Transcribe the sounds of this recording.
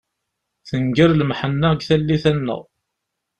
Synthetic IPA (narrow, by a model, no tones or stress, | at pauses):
θəŋɡəɾlmħənːæɡθælːiθænːə̰ʁ